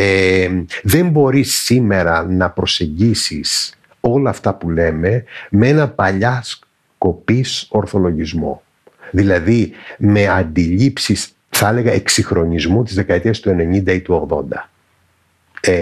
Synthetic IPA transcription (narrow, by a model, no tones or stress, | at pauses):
eðe̞mbo̞ɾisːime̞ɾɐnɐpɾo̞se̞ɲɟisis | o̞lɐːft̪ɐpule̞me̞mee̞nɐpɐʎɐs | ko̞piso̞ɾθo̞lo̞ʝizmo̞̰ | ðilɐðime̞ɐnd̪iʎipsis | θɐele̞ɣɐe̞ksixɾo̞ɲizmut̪izðe̞kɐet̪iɐst̪ue̞ne̞ɲind̪ɐit̪uo̞ɣðo̞nd̪ɐ